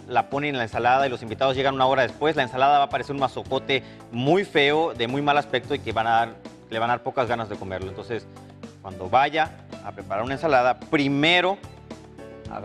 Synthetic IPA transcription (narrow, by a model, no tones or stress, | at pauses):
lapo̞nennlaensalaðailo̞simbit̪að̞ozʝeanũnao̞ɾað̞espwe̞zlaensalaðaβaːpaɾese̞ɾunmaso̞ko̞t̪e̞ | mujfe̞o̞ðe̞mujmalaspe̞k̚t̪o̞ike̞βanaaɾ | leβanaðaɾpokazɣanazðe̞ko̞me̞ɾlo̞ent̪o̞nse̞s | kwand̪o̞βaʝaː | pɾe̞paɾaɾunae̞nsalað̞apɾime̞ɾo̞ | a̰